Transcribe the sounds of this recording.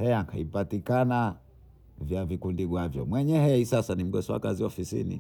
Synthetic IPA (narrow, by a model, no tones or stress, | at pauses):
hɛjaŋkaipatikana | vjavikundiɡwavjɔ̰mwɛɲɛhɛisasanim̩ɡɛsɔa̰kaziɔfisḭnḭ